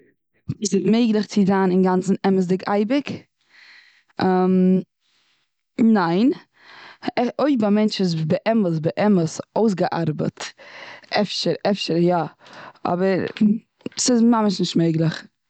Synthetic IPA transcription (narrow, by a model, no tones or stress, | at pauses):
viːsɪtmeɪɡlˠəχt͡sɪzaːnɪnɡant͡sn̩ɛməs̬dɪkʰa̰ɪbɪk | am | naɪn | ɛoɪbamɛnt͡ʃɪs̬bəʔɛməs̬bəʔɛməsoʊs̬ɡəʔa̰ɾbə̰t | ɛfʃəɾɛfʃəɾjaɔ̰bəɾ | sɪzmaməʃnɪʃtmeɪɡlˠəχ